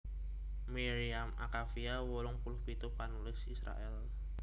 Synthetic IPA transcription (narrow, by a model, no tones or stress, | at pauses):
miɾiamʔa̰kafiawolʊŋpulʊhpit̪ʊpanulɪsisɾa̰ʔɛl